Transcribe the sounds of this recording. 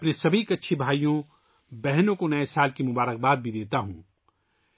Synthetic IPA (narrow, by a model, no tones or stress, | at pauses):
ɐpnesɐbʱikɐtːʃʰibʱaːijõ | bɛɦnõkonɐesaːlkimʊbaːɾək̚baːd̪̚bʱid̪eːt̪aɦṵ̃ː